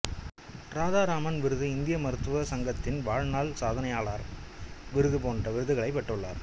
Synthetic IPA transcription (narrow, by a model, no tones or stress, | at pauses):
ɾaːðaːɾaːmɐnʋɪɾɯðɯɪnd̪ɪjɐmɐɾɯt̪ːɯʋɐsɐŋɡɐt̪ːɪnʋaːɻnaːlsaːðɐnɐjaːɭaːɾʋɪɾɯðɯpoːndrɐʋɪɾɯðɯɣɐɭɐɪpːɛʈːɯɭːa̰ːɾ